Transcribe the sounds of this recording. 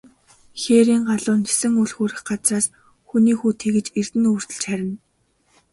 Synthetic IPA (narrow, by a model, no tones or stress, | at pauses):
xeːɾiːŋɢaɮʊːnxesɘ̆ŋuɮxuːɾɘ̆xɢat͡sraːs | xuniːxuːt̪ʰeːɣɘ̆t͡ɕer̥t̪ɘ̆nuːr̥t̪ɵ̆ɮt͡ɕχæɾʲɪ̆n